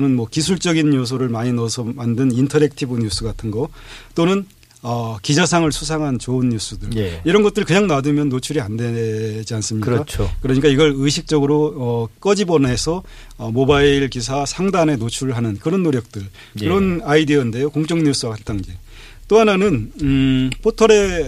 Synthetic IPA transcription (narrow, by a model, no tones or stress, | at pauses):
onɯnmwʌkisʰuɭt͡ɕ͈ʌɡinːos̬ʰoɾɯɭmaɲinʌsʰʌmandɯnintʰʌɾek̚tʰibuɲus͈uɡatʰɯnɡʌt͈onɯn | ʌkid͡ʑasʰaŋɯɭsʰus̬ʰaŋɦant͡ɕounːus͈udɯɭiɾʌnɡʌt͈̚ɯɾɭkɯɲaŋnadɯmjʌnːot͡ɕʰuɾianded͡ʑians͈ɯmɲikat͡ɕʰkɯɾʌɲik͈aiɡʌɾɯɕʰik̚t͡ɕ͈ʌɡɯɾoʌk͈ʌd͡ʑibʌnaesʰʌ | ʌmobaiɭkis̬ʰasʰaŋdane̞not͡ɕʰuɭɦanɯnkɯɾʌnːoɾjʌk̚t͈ɯɭ | kɯɾʌnaidiʌinde̞jokoŋt͡ɕ͈ʌŋɲus͈uakat͈aŋd͡ʑe | t͈oɦananɯn | pʰotʰʌɾe̞